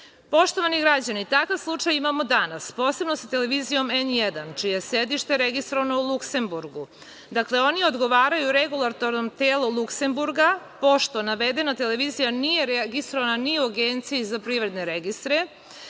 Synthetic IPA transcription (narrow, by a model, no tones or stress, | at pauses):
po̞ʃt̪o̞ʋaniɡɾad͡ʑanit̪akaʋslˠut͡ʂajimamo̞d̪anaspo̞ːse̞bno̞sat̪e̞leʋizijo̞menjed̪ant͡ʃijeesed̪iʃt̪e̞ɾeɡist̪ɾo̞ʋano̞ulˠukse̞mbuɾɡu | d̪akle̞o̞nio̞d̪ɡo̞ʋaːɾajuɾeɡulˠat̪o̞ɾnomt̪eːlˠolˠukse̞mbuɾɡa | po̞ʃt̪o̞naʋed̪e̞nat̪e̞leʋiːzijanije̞ɾeɡist̪ɾoʋananiuaɡent̪sijizapɾiːʋɾe̞d̪ne̞ɾeɡist̪ɾe